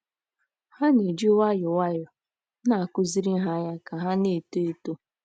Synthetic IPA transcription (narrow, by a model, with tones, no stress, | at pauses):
ha˦ne˨d͡ʒi˦wa˦jʊ˨wa˦jɔ˨ | na˨kʊ˦zi˦ɾi˦ɦa˦ja˦ka˨ɦa˦ne˨to˦e˨to˦